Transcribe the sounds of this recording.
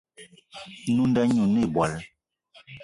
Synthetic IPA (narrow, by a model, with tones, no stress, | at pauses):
nu˦n˦dɛ˦ɲu˨ni˦˨bwa˨l